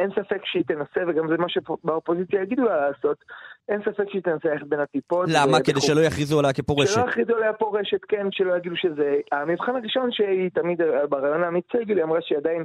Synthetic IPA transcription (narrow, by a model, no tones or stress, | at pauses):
ensafe̞kʃeit̪enaseveɡamzemaʃebaopo̞zit͡sjajaɡid̪ulalaːso̞t̪ʔe̞nsafe̞kʃeit̪enaselaaχet̪̚be̞nat̪ipo̞lamaked̪ejʃelo̞jaχʁizualajakepoʁʃeʃelʃejaχʁizualajapo̞ʁe̞ʃet̪kenʃelojaɡiduʃezeamivχanaʁiʃo̞nʃeit̪amid̪baʁaːjo̞naːmit͡seɡiliamʁaʃeadajin